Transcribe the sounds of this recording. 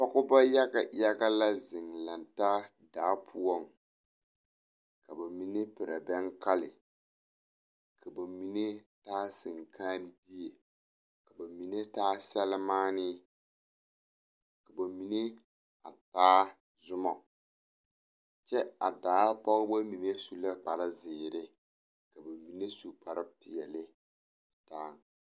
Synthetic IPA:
pɔ˦ɣʊ˦ba˦ja˦ɡa˨ja˦ɡa˦la˦zɪ˨ŋla˨nta˦ | daː˨˦pʰʊ˦ɔ˦˨ŋ | ka˨ba˨mi˨nɪ˦pɪ˨ɾa̰˨bɛ˦ŋka˦lɪ̰˨ | kʰa˨ba˨mi˨ne˦taː˦sɪ˨ŋkʰaː˦n˦bi˦e˨ | ka˨ba˨mi˨ne˦taː˦sɛ˦lɪ˦maː˦nɪ˦ | ka˨ba˨mi˨ne˦ | a̰˨taː˦ | zʊ˦mɔ˨ | t͡ʃɛ˦a˨daː˨˦pɔ˦ɣɪ˦ba˦mi˨ne˦su˦la˦k͡pa˨ɾɪ˦zɪː˨ɾɪ˦ | ka˨ba˨mi˨ne˦su˨k͡pa˨ɾɪ˦pɪ˨jɛ˨lɪ˦˨ | taː˦˨ŋ

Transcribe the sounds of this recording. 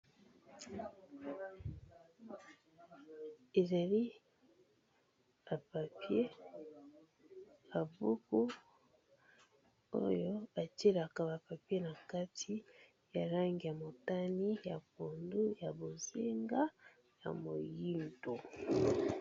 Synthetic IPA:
e˨za˨li˦ | ba˨pa˨pje˦ | a˨bu˦ku˦ | o̰˦jo˦a˨te˦la˨ka˨βa˨pa˨pje˦na˨ka˦tʰi˦ | ja˨la˦ŋɡi˨ja˨mo˨ta˦ni˦ja˨ko˨ndu˦ja˨bo˨zi˦ŋɡa˦ | ja̰˨mo˨ji˦nto˨

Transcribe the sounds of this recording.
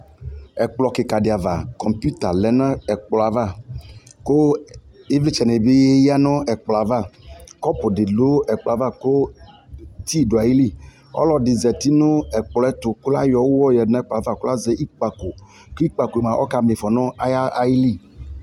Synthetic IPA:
ɛ˨k͡plɔ˨ke˨ka˨dɪ˨a˨va˨kɔ̃˨mpu˦t̪a˨lɛ˨nã˦ɛ˨k͡plɔ˨a˨va˦˨ko˦e˦vli˦t͡ʃɛ˨ne˨be˦je˦ja˦nɔ̃˦ɛ˨k͡plɔ˨a˨va˦˨kɔ˦pʊ˨dɪ˨lo˦ɛ˨k͡plɔ˨a˨˦va˦˨ko˦ | t̪i˦˨do˨a˨ji˦li˦˨ | ɔ̰˦lɔ˦dɪ˨zɛ˨t̪i˦nʊ̃˦ɛ˨k͡plɔ˨˦ɛ˦t̪ʊ˨ku˦la˦jɔ˨wwɔ˦jɛ˨nã˦ɛ˦k͡pa˨va˦˨ko˦la˦ze˦ʔi˦k͡pa˨ko˨ | ko˦i˦k͡pa˨ko˨e˨mã˨ʔɔ̰˦ka˨me˨fɔ˨nɔ̃˦a˦ja˦a˨ji˦li˦˨

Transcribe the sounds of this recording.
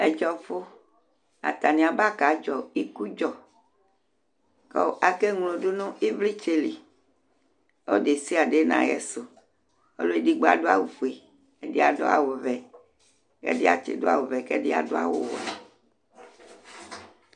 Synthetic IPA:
e˦d͡ʒɔ˨fo˦ | a̰˨t̪a˨nĩ˨a˨ba˦ka˨˦d͡ʒɔ˨i˦ku˦d͡ʒɔ˨ | kɔ̰˦˨a˨ke˦ŋlõ˨ɖo˦nõ˦i˦vli˦t͡ʃe˦li˨ | o̰˦de˨si˦a˨ɖe˦nã̰˨jɛ̰˨so˨ | o̰˦lo˦e˦di˦ɡ͡ba̰˦˨do˦a˨wo˨fo˨e˨ | e˨di˦a˨do˦a̰˨wo˨vɛ˨ | kḛ˦di˦a̰˨t͡ʃḛ˨do˦a̰˨wo˨vɛ˨ke˦di˦a̰˨do˦a̰˦wo̰˦wo˨a̰˨

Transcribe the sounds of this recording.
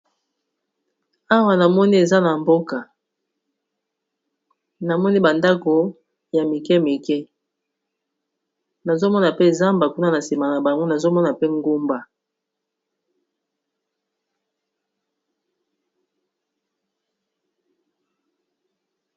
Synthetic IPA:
a˦wa˨na˨mɔ˦ni˦e˨za˦na˨mbo˦ka˨ | na˨mɔ˦ni˦ba˨nda˦ko˨ | ja˨mi˨kɛ˦mi˨kɛ˦ | na˨zo˦mɔ˦na˨pe˦za˦mba˨ku˦na˦na˨si˨ma˨na˨ba˨ŋɡo˦na˨zo˦mɔ˦na˨pe˦ŋɡo˦mba˨

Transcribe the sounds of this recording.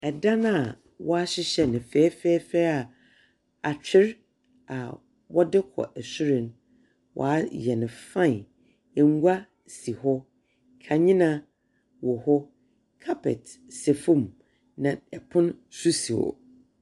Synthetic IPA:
ɛ˨da˦nʊ̃˦a˨ | wɔ˦a˦ɕɪ˦ɕɛ˦nɪ̃˨fɛː˦fɛː˦fɛ˦a˨ | a˨t͡ɕʰᶣɪ˦ɾ | a˨ | wɔ˦dɪ˦kʰɔ̰˨ʔɛ˨sʊ˦ɾɪ̃˨n˦ | wʔɔ̰˨a˦jɛ˨nɪ̃˨fã˦˨n˨ | ɛ˨ŋ˦ɡʷa˦ | si˨hɔ˦ | kʰa˨ɲɪ̃˦nã˨ | wɔ˨hɔ˦ | kʰa˦pʰɛ̰˨t | sɛ˨fũ˦˨m | nã˨ɛ˨pʰʊ̃˦nsu˦si˨wo̰˨

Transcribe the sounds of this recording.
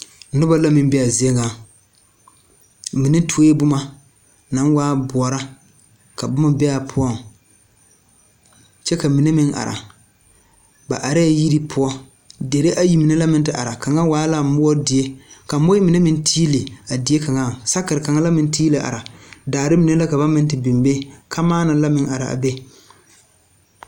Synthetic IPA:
nʊ˦ba˦la˦mɪ˦m˦bɛ˦a˨zi˦e˦ŋa˨ | mɪ˨nɪ˦tʰu˨o˦je˦bʊ˦ma˦ | na˨˦nwaː˦bʊ˨ɔ˨ɾa˦ | ka˨bʊ˦ma˦bɛ˦a˨pʰʊ˦ɔ˦˨ŋ˨ | t͡ʃɛ˦ka˨mi˨ne˦mɪ˦ŋʔa̰˨ɾa̰˨ | ba̰˨ʔa˨ɾa˦˨ji˦ɾi˦pʰʊ˦ɔ˦ | de˨ɾe˦ʔa˦ji˦mi˨ne˦la˦mɪ˦n˦tɪ˨ʔa̰˨ɾa˨ka˨ŋa˦waː˦la˦mʊ˦ɔ˦dɪ˨e˦ka˨mo˦ɪ˦mɪ˨ne˦mɪ˦n˦tʰiː˦le˨a˨dɪ˨˦e˦ka˨ŋa˦˨sa˦kɪ˨ɾɪ˨ka˨ŋa˦la˦mɪ˨n˦tiː˦le˨ʔa̰˨ɾa˨daː˨ɾɪ˦mi˨˦ne˦la˦ka˨ba˦mɪ˦n˦tɪ˨bi˨mbe˦kʰa˦maː˦na˨˦la˦mɪ˦ŋa˨ɾa̰˨ʔa̰˨be˦

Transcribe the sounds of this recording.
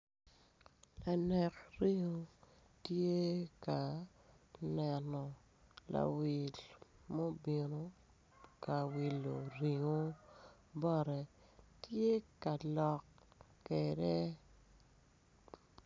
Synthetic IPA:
la˨nɛ˨kri˦ŋo˦ | tje˦ka˨ | nɛ˨nɔ˨ | la̰˨wi˨lmo˦bi˨no˦ | ka˨wi˨lːo̰˨ri˨ŋo˦ | bɔ˦˨ɾɛ˨ | tje˦ka˨lɔ˨kː | ɛ˨dɛ˦

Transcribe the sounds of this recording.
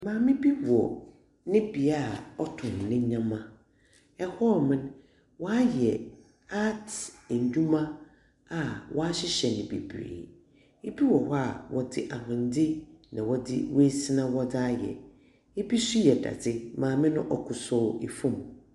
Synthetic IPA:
mãː˨mɪ̃˦bi˦bɔ̰˨ | nɪ̃˦bi˨a˦˨ɔ˦tʰʊ̃˨n˨nɪ̃˦ɲã˦mã˦ | ɛ˦hɔ˦˨mɪ̃˦n | wɔ˦a˦jɛ˨ | a˦tʰɲ˨d͡ʑᶣũ˦mã˦ | a˨wʔɔ˦a˦ɕɪ˦ɕɛ˨nɪ̃˨bḭ˨bɾḛː˨ | e˦bi˦wɔ˨wa˨wɔ˨dɪ˦ʔa˨hʊ̃˨n˦dɪ˦nã˨wɔ˦dɪ̰˦we˦si˦nã˦wɔ˦da˦jɛ̰˨ | e˦bi˦sʊ˦jɛ˨da̰˨dɪ˦mãː˨mɪ̃˦nʊ̃˦ʔɔ˨kʰʊ˨sɔ˦˨e˨fũ˦˨m˨

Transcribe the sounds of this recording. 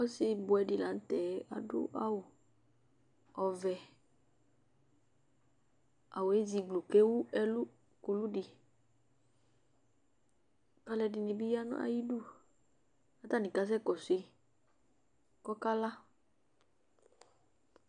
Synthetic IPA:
ɔ˦si˧bʊ˨ɛ˨di˨la˨n̩˦t̪ɛ˨˦a̰˨dʊ̰˦ʔa̰˦wo˨ | ɔ˨vɛ˨ | a̰˨we˦zi˨ɡ͡blu˨ke˦wu˦ɛ˦lu˦ | ku˨lu˦ɖi˨ | ka˦lɛ˧di˨nĩ˨bi˦ja˦nṵ̃˦a̰˨ji˦du˦˨ | a˦t̪a˦nĩ˨ka˦s̬ɛ˦kɔ˨se˦ | kɔ˦ka˦la˦

